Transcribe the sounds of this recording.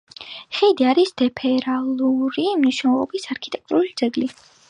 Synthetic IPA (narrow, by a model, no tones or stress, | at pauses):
χid̪iaɾisd̪̥ɛpʰɛɾaluɾimniʃnɛlˠɔbisaɾkʰit̪ʼɛk̚t̪ʼuɾulid̪zɛɡli